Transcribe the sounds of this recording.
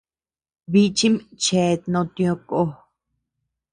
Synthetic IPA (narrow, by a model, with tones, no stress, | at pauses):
βi˧t͡ʃi˦mt͡ʃe˧˨˧nõ˧t̪j̃õ˧ko˧